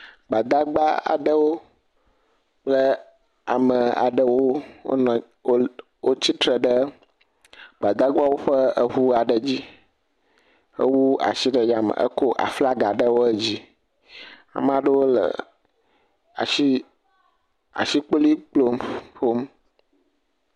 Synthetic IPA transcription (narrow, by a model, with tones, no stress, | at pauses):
ɡ͡ba˨d̪a˦ɡ͡ba˦a̰˨ɖə˦wo˦ | k͡plə˦ | a̰˨mə˨a̰˨ɖə˦wo˦wo̰˦nɔ̃˨˦ | wo˦t͡ɕi˦t̪ɾə˨ɖə˦ | ɡ͡ba˨d̪a˦ɡ͡ba˦wo˦ɸə˦ə˨ɦu˦a˨ɖə˨d͡ʑi˦ | ə̰˦wu˦a̰˨ʃi˦ɖə˨ja˨mə̰˨ʔə̰˦ko˦ʔa̰˨fla˦ɡa˨ɖə˦wo˦ə˦d͡ʑi˦ | a̰˨m˦a˨ɖə˦wo˦lə̰˨ | a̰˨i˦ | a̰˨ʃi˦k͡po˦li˦k͡plo˦mɸo˦m